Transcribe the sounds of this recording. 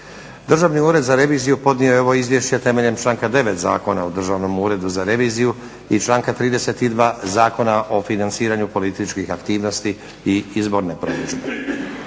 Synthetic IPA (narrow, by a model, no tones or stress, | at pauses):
d̪r̩ʒaʋniuːɾe̞d̪zaɾe̞ʋiːzijupo̞d̪niojeo̞ʋoizʋje̞ʃt͡ɕet̪e̞me̞ʎe̞mt͡ʃlˠaːŋkad̪e̞ʋe̞t̪za̰ːko̞naod̪r̩ʒaʋno̞muːɾe̞d̪uzaɾe̞ʋiːziju | it͡ʃlˠaːŋkat̪ɾiːd̪e̞se̞t̪id̪ʋaːzaːko̞naʔo̞finantsiːɾaɲupo̞lit̪it͡ʃkixakt̪iːʋno̞st̪i | iizbo̞ɾnepɾo̰d̪ud͡ʒbe